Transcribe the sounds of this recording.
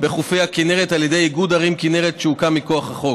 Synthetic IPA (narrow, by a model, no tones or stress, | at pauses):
beχufejhakineʁet̪aljed̪ejiɡud̪aʁimkineʁetʃeukamiko̞aχhaχok